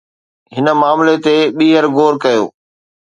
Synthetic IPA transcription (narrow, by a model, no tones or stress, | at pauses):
ɦɪnə̆maːmlet̪eɓiːɦəɾɡoːɾkɐjo̰ː